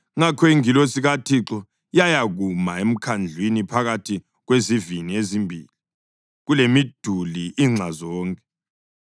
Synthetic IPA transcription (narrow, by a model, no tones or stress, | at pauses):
ŋakʰɔiŋilosiɣatʰiǁɔ | jajaɣumaem̩kʰand͡ɮʱwinipʰaɣatʰi | ɣweziviniezimbʱiːli | ɣulemid̥ʱuliiŋ͡ǀʱazɔːŋkʼɛ